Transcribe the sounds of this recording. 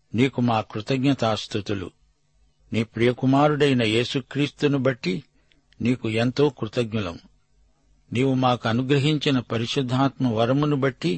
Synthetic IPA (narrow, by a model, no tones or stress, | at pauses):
niːkumaːkɾut̪ɐɡɲɐt̪aːst̪ut̪ulṵ | niːpɾijɐkumaːɾuɽɐjnɐje̞ːsukɾiːst̪unubɐʈːi | niːkuent̪o̞ːkɾut̪ɐɡɲulɐ̰m | niːwumaːkuɐnuɡɾɐɦiɲt͡ʃinɐpɐɾiʃud̪ʱːaːt̪mɐʋɐɾɐmunubɐʈːi